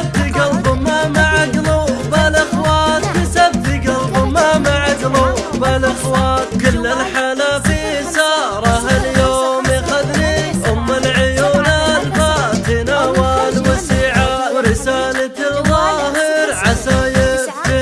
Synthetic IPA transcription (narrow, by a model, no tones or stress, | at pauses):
ad̪ɪɡalðˤʊmamaʕaɡlubalʔɪxwaːt̪wɪsabːɪɡalðˤʊmamaʕaɡlubalʔɪxwaːt̪kʊlːɪlħaːlafisɑːɾˤɑɦaljoːmixad̪ɾiʔʊmːalʕʊjuːnalbaːt̪ɪnawaːlwasiːʕawɾɪsaːlaðˤɑːɦɪɾʕasaːjɪ